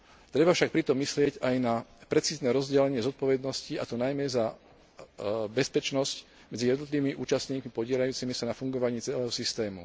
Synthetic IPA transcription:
t̪ɾɛbafʃak̚pɾit̪ɔmːislɪɛcajnapɾɛt͡siːznɛɾɔzɟɛlɛɲɪɛzɔt̪̚pɔʋɛd̪nɔscia̰t̪ɔnajmɛza | bɛspɛt͡ʃnɔsc | mɛd͡zijɛd̪nɔt̪liʋimiʔṵːt͡ʃast̪ɲiːkmipɔɟɪɛlʎajuːt͡simisanafuŋɡɔʋaɲiːt͡sɛlɛːɦɔsist̪ɛːmṵ

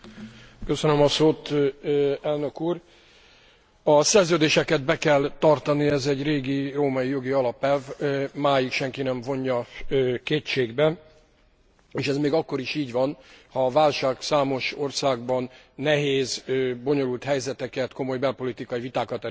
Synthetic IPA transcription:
køsønømɒsoːt̪ | ɛlnø̞kuːr | ɒsɛrzøːd̪eːʃɛkɛd̪̚bɛkɛlt̪ɒrt̪ɒniɛzɛɟreːɡiroːmɒijo̞ɡiɒlɒpɛvmaːjikʃɛŋkinɛɱvo̞ɲːɒkeːt͡ʃeːɡbɛ | eːʃɛzmeːɡɒkːo̞ɾiʃiːɟʋɒnhɒːvaːlʃaːksaːmo̞ʃo̞rsaːɡ̚bɒnːɛɦeːzboɲo̞lult̪hɛjzɛt̪ɛkɛt̪ko̞mo̞jbɛlpo̞lit̪ikɒjivit̪aːkɒt̪ɛ

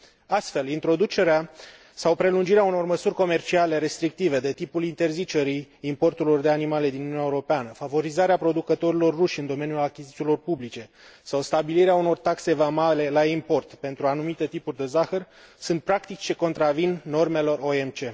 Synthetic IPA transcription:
ast̪fe̞lint̪ɾo̞d̪ut͡ʃe̞ɾea | sawpɾe̞lund͡ʒiɾeauno̞rməsurʲko̞me̞rt͡ʃiale̞ɾe̞st̪ɾik̚t̪ive̞d̪e̞t̪ipulint̪e̞rzit͡ʃe̞ɾiːmpo̞rt̪uɾlo̞rd̪e̞animale̞d̪inununaeuɾo̞peanəfavo̞ɾizaɾeapɾo̞d̪ukət̪o̞ɾilo̞rːuʃʲɨnd̪o̞me̞njulakʲizit̪silo̞rpublit͡ʃe̞ | sawst̪abiliɾeauno̞rt̪akse̞vamale̞laimpo̞rt̪pe̞nt̪ɾuanumit̪e̞t̪ipurʲd̪e̞zaxər | sunt̪̚pɾakt̪it͡ʃʲt͡ʃeko̞nt̪ɾavinːo̞rme̞lo̞ro̞e̞mt͡ʃe̞

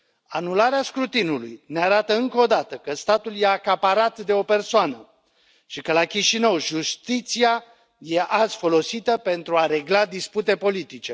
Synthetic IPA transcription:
anulaɾeaskɾut̪inulṵjneaɾat̪əɨŋkod̪at̪əkəst̪at̪uljeakapaɾat̪d̪e̞o̞pe̞rsoanə | ʃikəlakʲiʃinəwʒust̪it̪sia | je̞ʔaz̥fo̞lo̞sit̪əpe̞nt̪ɾuaɾe̞ɡlad̪isput̪e̞po̞lit̪it͡ʃe̞

